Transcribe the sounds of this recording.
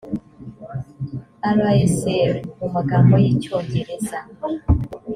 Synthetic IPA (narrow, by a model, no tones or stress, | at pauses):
aɾaeseɾmumuɡambojicoːɲɟeɾeza